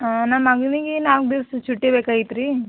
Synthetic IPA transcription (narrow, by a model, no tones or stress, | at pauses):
nɐmɐɡɐniɡenaːʋɡ̚d̪ist͡ʃuʈːebeːkaːjit̪ɾi